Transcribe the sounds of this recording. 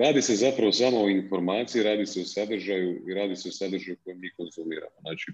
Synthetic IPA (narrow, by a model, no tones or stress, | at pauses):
ɾaːd̪ise̞zapɾaʋo̞samooinfo̞ɾmaːt̪sijiɾaːd̪ise̞usad̪ɾ̩ʒajuiɾaːd̪ise̞usad̪ɾ̩ʒajuko̞jomiːko̞nzumḭɾa̰moznaːt͡ʃi